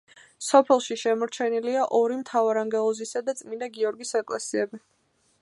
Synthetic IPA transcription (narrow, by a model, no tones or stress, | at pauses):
sɔpʰɛlˠʃiʃɛmɔɾt͡ʃʰɛniliaʔɔɾimt̪ʰavaɾaŋɡɛlˠɔzisad̪at̪sʼmind̪aɡiɔɾɡisɛkʼlɛsiɛbi